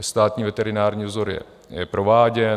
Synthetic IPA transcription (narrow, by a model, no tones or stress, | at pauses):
st̪aːt̪ɲiːvɛt̪ɛɾɪnaːɾɲiːvzoɾjɛ̰ | jɛpɾo̞vaːɟɛ